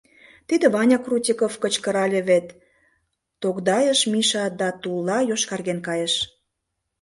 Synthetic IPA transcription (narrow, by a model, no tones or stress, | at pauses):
t̪id̪ĕβɑnʲɑkrutʲikofkət͡ɕkə̆ɾɑlʲeβet̪ː | okd̪ɑjəʃmiʃɑd̪ɑt̪ulːɑjoʃkɑrɣenkɑjeʃ